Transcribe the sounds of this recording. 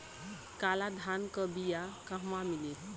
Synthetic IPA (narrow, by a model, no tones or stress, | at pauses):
kalad̪ʱankəbijakaɦmamilet̪